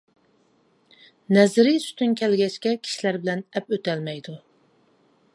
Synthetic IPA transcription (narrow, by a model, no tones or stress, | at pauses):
nɛzɾɪsy̥t̪ʰynkʲʰɛlɡʲɛt͡ʃkʲɛkʲʰi̥ʃilæɾbɪlɛnɛpøt̪ɛlmɛjd̪u